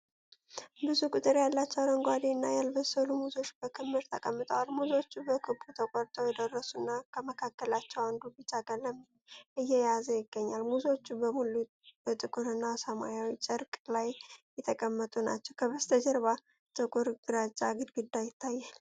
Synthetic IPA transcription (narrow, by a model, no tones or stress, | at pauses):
bɨzukʼut̪ʼɨɾjalːat͡ʃːɛwɾəŋɡʷad̪inːa̰jalbəsəlumuzo̞t͡ʃːb̥əkʰɨmːɨɾt̪ʰəkʼəmːɨt̪ʼəwalmuzo̞t͡ʃːubəkʰɨbːut̪ʰəkʼɔɾt̪ʼowjɛd̪ərːəsunːakʰəməkʰakːəlat͡ʃːɛwand̪ubɨt͡ʃːaɡʼələm | ʔɨjːɛjazəjɪɡːəɲːalmuzo̞t͡ʃːubəmulu | ət̪ʼɨkʼuɾɨnːasəmajawit͡ʃʼəɾkʼlajjɛt̪ʰəkʼəmːət̪ʼuna̰t͡ʃːɛwkʰəβəst̪ʰəd͡ʒəɾβa | t̪ʰʼəkʼuɾɡɨɾat͡ʃʼːaɡɨd̪ɡud̪ːajɪt̪ʰːajːal